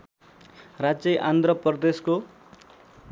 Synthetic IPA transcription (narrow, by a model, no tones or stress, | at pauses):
rad͡zjʌʔand̪ʱrʌpʌrd̪esko